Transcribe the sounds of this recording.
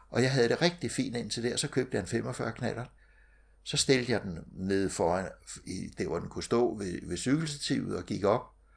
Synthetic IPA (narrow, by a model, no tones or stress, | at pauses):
ʔɒ̽jɑ̈ɪɦæð̞̩ˠd̥e̝ʁɛɡ̥̚d̥ifḭːnd̥e̝n̰t͡sʰe̝ld̥e̝ɐsɒ̽kʰø̰ːb̥d̥əjäe̝nfem̰ɒfɶɐkʰnæɾ̥ɐ | sɒ̽sd̥e̝ld̥əjɑ̈ɪd̥enne̝ð̞ˠfɒːænid̥eɐʋɒd̥enkʰusd̥ɔ̰̽ːʋe̝ʋe̝syɡ̥l̩sət͡sʰḭʊð̩ˠɒ̽ɡ̥iɡ̥ɒ̽b̥̚